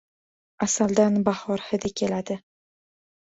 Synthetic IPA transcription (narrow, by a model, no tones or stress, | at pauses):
asald̪anbahɒɾhɪd̪ɪkʲʰe̞lad̪ɪ